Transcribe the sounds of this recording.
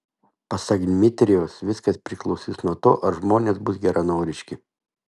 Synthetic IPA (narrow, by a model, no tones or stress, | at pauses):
pɐsɑːɡʲɪnʲmʲɪt̪ʲɾʲɪjoːsʋʲɪskɐspʲɾʲɪklˠɒʊsʲisnuɔt̪o̰ːʔɐʒmoːnʲeːsbʊsɡʲɛɾʔɐnoːɾʲɪʃʲkʲɪ